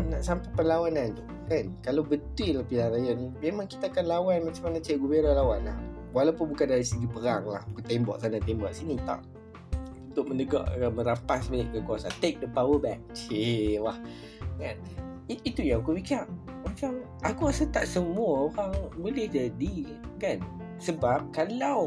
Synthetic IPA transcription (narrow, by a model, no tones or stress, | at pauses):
naʔsampapəlawanan | kankalawbənt̪wilahpilanrajanĩmemãŋki̥t̪aːkanlawanmat͡ʃamanat͡ʃaaʔɡubeɾalawanla̰hwalawpʊnbukandaɾisəɡipəɾaŋlahbukut̪ɛmbɔ̰ʔsanat̪ɛmbɔʔsinit̪a̰ʔ | ut̪ʊʔ̚mə̃nəɡa̰ʔamə̃ɾapasmənɪt̪̚kəkuasa̰nt̪ek̚dəpawəbɛk̚t͡ʃiwah | kan | iit̪ujaŋakumikaʔ | mat͡ʃam | ʔakuasət̪aʔsəmuaoɾaŋbolɪhdadi | kan | səbap̚kalaw